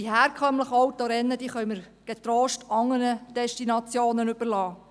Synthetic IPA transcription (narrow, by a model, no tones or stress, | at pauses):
dihɛːɾkʰœmləχɔwt̪oɾɛnːəd̪iːχœɥməɾ | ɡ̥ɛt̪ɾoːʃtɑŋːəɾəd̥ɛʃtinɑt͡sjoːnənʏb̥əɾlɑː